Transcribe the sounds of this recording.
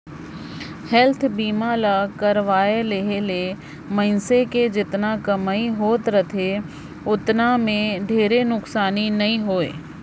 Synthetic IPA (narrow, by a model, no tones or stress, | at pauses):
hɛlt̪ʰbiːmalakɐɾʋaːeleɦele | mɐ̃ɪnseked͡ʒɪt̪nakɐmaːiɦoːt̪ɾɐt̪ʰe | ʊt̪namẽɖʱeːɾenʊksaːninɐɦĩɦoːḛː